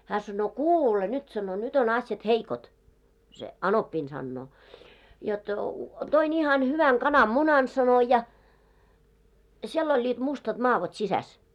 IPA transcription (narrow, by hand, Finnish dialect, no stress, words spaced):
hæː sɑnːoː kuːle nyt sɑno nyt on ɑsjɑt heikot se ɑnopːiːn sɑnːoː jot toin ihɑn hyʋæŋ kɑnɑmːunɑn sɑno jɑ siel olʲːiːt mustɑt mɑːʋot sisæs